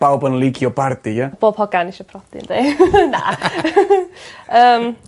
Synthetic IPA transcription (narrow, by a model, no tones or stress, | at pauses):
b̥awbənlˠiɡjɔbardijab̥oːb̥hɔɡaniʃɔpʰrɔd̥ɪ̰nd̥ejna̰ | əːm